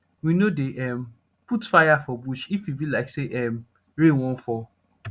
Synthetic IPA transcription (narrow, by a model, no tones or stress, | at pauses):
winodeʔɛm | putfajafɔbuʃifjibilaɪkseʔɛm | ɹewɔ̃nfɔ